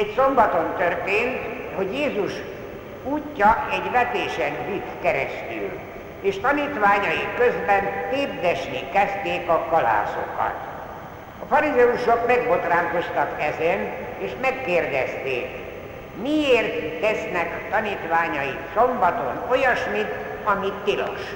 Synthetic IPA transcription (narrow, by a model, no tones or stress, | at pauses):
ɛcso̞mbɒt̪o̞nt̪ørt̪eːnt̪ho̞ɟjeːzuʃ | uːcːɒɛɟʋɛt̪eːʃɛnɾit̪kɛɾɛ̰st̪y̰l | eːʃt̪ɒniːt̪ʋaːɲɒjikːøzbɛnt̪eːb̚d̪ɛʃnikɛst̪eːkɒkɒla̰ːso̞̰kɒ̰t̪ | ɒfɒɾizɛuʃokmɛɡbo̞t̪raːŋko̞st̪ɒkɛzɛneːʃmɛkːeːrd̪ɛst̪ḛːk | mieːrt̪ːɛsnɛkt̪ɒnit̪ʋaːɲɒjiso̞mbɒt̪o̞̰no̞jɒʃmit̪ | ɒmit̪ːilo̰ʃ